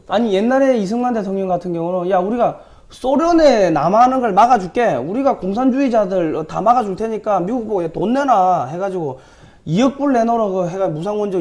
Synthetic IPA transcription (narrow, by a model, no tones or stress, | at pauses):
aɲije̞nːaɾe̞is̬ʰɯŋmande̞tʰoŋɲʌŋɡatʰɯnɡjʌŋuɾonjauɾiɡa | s͈oɾjʌne̞namanɯnɡʌɭmaɡad͡ʑuk͈e̞uɾiɡakoŋs̬ʰand͡ʑuid͡ʑadɯɭta̰maɡad͡ʑuɭtʰe̞ɲik͈amiɡuk̚poɡetonːenaɦe̞ɡad͡ʑiɡo | iɯk̚p͈uɭːe̞noɾokɯɦeɡamusʰaŋwʌnd͡ʑʌ